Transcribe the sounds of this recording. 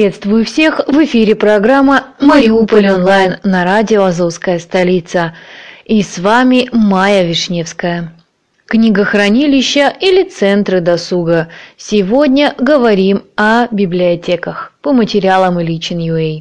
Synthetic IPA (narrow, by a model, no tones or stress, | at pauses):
et̪st̪vʊjʊfsʲe̞xvɨfʲiɾʲɪpɾɐɡɾamːəməɾʲɪupəlʲonlˠajnːɐɾadʲɪoɐzoskəjəst̪ɐlʲit̪səisvamʲɪmajəvʲɪʂnʲefskəjə | knʲiɡəxrɐnʲilʲɪɕːəilʲɪt̪sɛnt̪ɾɨd̪ɐsuɡəsʲɪvo̞dʲnʲəɡəvɐɾʲimɐbʲɪblʲɪɐtʲekəxpəmətʲɪɾʲɪalˠəmɪlʲit͡ɕɪnjʊej